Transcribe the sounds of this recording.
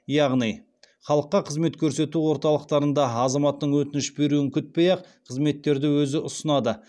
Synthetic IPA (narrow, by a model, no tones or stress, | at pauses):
jɑʁnij | χɑlˠəqːɑqʰəzme̞t̪kʲʰɵɾse̞t̪uwo̞ɾt̪ɑlˠəq̚t̪ɑɾənd̪ɑɑzɑmɑt̪ːəɴwɵt̪ɪnɪʃbe̞ɾuɪŋkʲʰʏt̪̚pejɑqqʰəzme̞t̪ːe̞ɾd̪ɪwɵzɪʔʊsənɑd̪ə